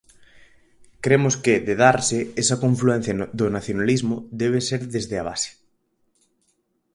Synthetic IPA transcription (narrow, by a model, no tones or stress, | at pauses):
kɾemoskeðeðaɾseesakõɱfluɛ̃n̟θjaðonaθjonalizmod̪eβ̞eseɾðezðeaβ̞a̰se̥